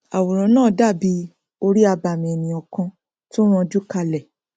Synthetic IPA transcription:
a˨wo˨ɾɔ̃˨˦nãː˦˨da˦˨bi˧˦ | o˧ɾi˦a˧ba˨mĩ˨ɛ˨nĩ˨ɔ˨kã˧ | to˦w̃ɔ̃˧d͡ʒu˦ka˧lɛ˨

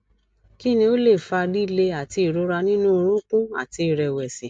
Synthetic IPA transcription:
ki˦nĩ˧o˦le˦˨fa˧di˦˧˦le˧a˨ti˧i˨ɾo˨˦ɾa˧nĩ˦nũ˦o˧ɾ̃ũ˦k͡pũ˦a̰˨ti˧˦i˨ɾɛ˨wɛ˨si˨

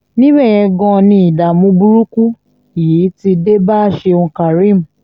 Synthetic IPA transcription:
nĩ˦bɛ˦˨jɛ˧ɡɔ̃˧nĩ˧˦i˨da˨mũ˧bu˧ɾu˦ku˦ | i˨ji˨˦ti˧de˦ba˦ʃe˧õ˧ka˨ɾĩ˦˨m̩˨

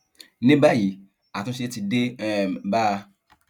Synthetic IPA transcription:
nɪ̃˦ba˦˨ji˨ | a˨tʊ̃˦si˦e˦tɪ˨de˦˨mba˦˨

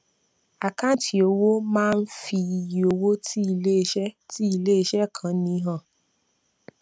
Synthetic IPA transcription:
a˨ka˦˨˦tʰi˨o˧wo˦mãː˦˧n̩˦fi˧i˨ji˨o˧wo˦tʰi˦i˧le˦˧ʃɛ˦ti˦i˧˨le˦i˧˦ʃɛ˦˨kʰã˨˦nĩ˧˦ɦã˦˨

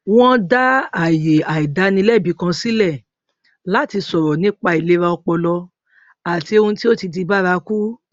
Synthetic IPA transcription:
w̃ɔ̃˦da˦a˨je˨a˨i˨da˨˦nĩ˧˦lɛ˦˨bi˨˦kã˧si˦lɛ˦˨ | la˨˦˨ti˧sɔ˨ɾɔ˨nĩ˨˦k͡pa˧i˨le˨˦ɾa˧ɔ˧k͡pɔ˧lɔ˧ | a˨ti˧o˧ũ˧ti˦o˦ti˧di˧ba˦ɾa˧ku˦

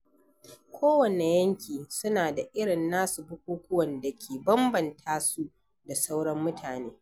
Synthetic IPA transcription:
kʷʰoː˦wɐ˨ne˨jɐ˦ŋkʲiː˨sʊ˦naː˨da˨ʔɪ˦ɽɪ˨nːaː˦su˨bʊ˦kʷuː˦kʷʊ˦wɐ˨nda˨kʲʰeː˨bɐ˦mbɐ˨ntʰaː˦su˦ | da˨sa˦wɽɐ˦mːʊ˦tʰaː˨neː˦

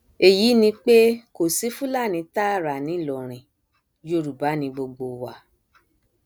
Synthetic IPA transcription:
e˨ji˨˦nĩ˧k͡pe˦ko˨si˨˦fũ˦la˦˨nĩ˨˧˦ta˦˨ɾa˨nĩ˨˦˨lɔ˨ɾ̃ĩ˨ | jo˧˦˨ɾu˨ba˨˦nĩ˧bo˧ɡ͡bo˧wa˨

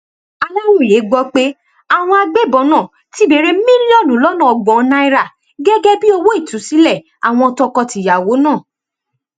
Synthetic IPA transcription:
a˧la˦wo˦˨je˨˦ɡ͡bɔ˦k͡pe˦ | a˦˨w̃ɔ̃˧a˧ɡ͡be˦˨bɔ˧˦nãː˦˨ | ti˦be˧ɾe˦mĩ˦li˦ɔ˦˨lũ˨˦lɔ˦nã˦˨ɔ˨ɡ͡bɔ̃˨˧˦nã˧˦i˦˧ɾa˦˨ | ɡɛ˦ɡɛ˦bi˦o˧wo˦i˦˨tũ˨˦si˨˦lɛ˦˨ | a˨w̃ɔ̃˧ɔ˧tɔ˧kɔ˧ti˨ja˨wo˨˦nãː˦˨

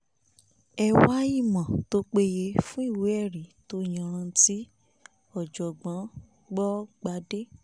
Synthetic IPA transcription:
ɛ˧wa˦i˦˨mã˨to˦k͡pe˧je˧fũ˦i˦˨we˨˦ɛ˦˨ɾi˨˦to˧˦jã˧˨˧ɾ̃ã˧˦ti˦ | ɔ˦˨d͡ʒɔ˨ɡ͡bã˨˦ | ɡ͡bɔ˦ɡ͡ba˨˦de˦

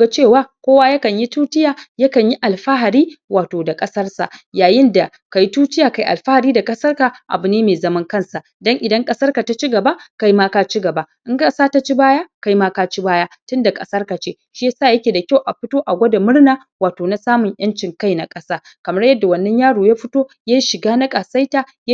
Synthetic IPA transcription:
ɡa˦t͡ʃeː˦˨waː˦kʷoː˦waː˦jɐ˦kɐ˨ɲji˦tuː˦tɪ˦jaː˨jɐ˦kɐ˨ɲji˦ʔa˨lɸa˦ɦa˨ɾiː˦waː˨toː˨da˨kʼɐ˦sɐ˦rsa̰˨ʔjaː˨jɪ˦nda˨ | ka˨ji˦tuː˦tɪ˦jaː˨ka˨jʔa̰˨lɸa˦ha˨ɾiː˦da˨kʼɐ˦sɐ˦rka˨ʔa̰˨bʊ˨neː˦meː˨zɐ˦mɐ˦ŋkɐ˦˨nsa˨ʔdɐ˦ŋʔɪ˨dɐ˦ŋkʼɐ˦sɐ˦rka˨ta˦t͡ʃi˦ɡɐ˨ba˦ka˦jmaː˦ka˦t͡ʃi˦ɡɐ˨ba˨˦ʔɪ˦ŋkʼɐ˦saː˦ta˦t͡ʃi˦baː˦jaː˦ka˦jmaː˦ka˦t͡ʃi˦baː˦jaː˦tʊ˦nda˨kʼɐ̰˦sɐ˦rka˨t͡ʃeː˦ | ʃi˦ja˦saː˦˨jɐ˦kʲeː˨da˨kʲa˦wʔa˨ɸɪ˦toː˦ʔa˨ɡʷɐ˦da˨mʊ˦ɽnaː˨˦ | waː˨toː˨na˦saː˦mʊ˨ɲʔj̰ɐ˦nt͡ʃɪ˨ŋka˦jna˦kʼɐ˦saː˦ | kɐ˨mɐ˦rjɐ˦dːa˨wɐ˦˨nːɐ˦ɲjaː˦ɽoː˨jaː˦ɸɪ˦toː˦jaː˦ʃɪ˨ɡaː˦na˦kʼaː˨sa˦jtaː˨ | ja˦

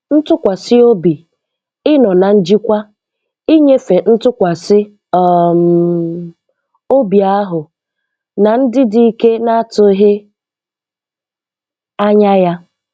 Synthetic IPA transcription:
n̩˦tʊ˦kʷa˨sɪ˦o˦bi˨ | ɪ˦nɔ˨na˨n̩˦d͡ʒi˦kʷa˦ | i˦ɲe˦fe˨n̩˦tʊ˦kʷa˨sɪ˦˨ | m | o˦bi˨a˦ɦʊ˨ | na˨n̩˦dɪ˦di˦i˦ke˦na˦a˦tʊ˦ɦɪ˦ | a˦ɲa˦ja˦

